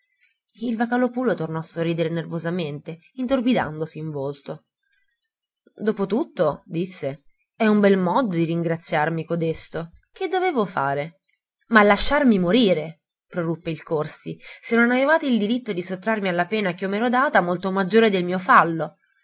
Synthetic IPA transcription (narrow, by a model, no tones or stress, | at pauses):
ilvakalopuːlot̪ornɔasːorːiːd̪eɾenervozament̪e | int̪orbid̪a̰nd̪osiːɱvolt̪o | d̪oːpot̪ut̪ːod̪isːe | ɛumbɛlmɔd̪od̪iɾiŋɡɾat̪sːjarmikod̪est̪o | k̟ed̪ːoveːvofa̰ːɾe | malːaʃːarmimoɾiːɾe | pɾorupːeilkorsisenːonavevaːt̪eild̪iɾit̪ːod̪isot̪ːɾarmialːapɛːnak̟iɔmeɾɔd̪aːt̪amolt̪omad͡ʒːoːɾed̪elmiːofalːo